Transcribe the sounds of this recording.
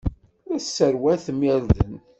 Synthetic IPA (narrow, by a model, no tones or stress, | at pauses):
ɾæsːəɾwæθəmjæɾðən